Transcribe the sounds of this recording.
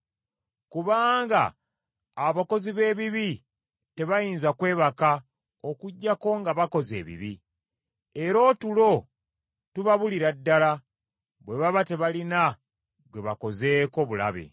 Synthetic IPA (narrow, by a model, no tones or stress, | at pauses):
kuβaːŋɡa̰ː | βako̞ziβe̞ːβiβi | te̞βajiːnzakwe̞ːβaka | okuɟːako̞ŋɡaβako̞ze̞̰ːβḭβḭ | e̞ɾo̞ːtulo̞ | tuβaβuliɾadːala | βwe̞βaβate̞βalina | ɡwe̞βako̞ze̞ːko̞βula̰βḛ